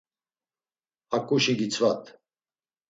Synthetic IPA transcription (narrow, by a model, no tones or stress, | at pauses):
akʼuʃiɡit͡sʰvat̪ʰ